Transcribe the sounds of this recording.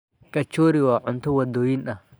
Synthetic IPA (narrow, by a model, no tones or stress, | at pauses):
kʼɐt͡ʃːoːɾɪwaːʕʊnt̪ʊwɐd̪ːoːjɪnɐ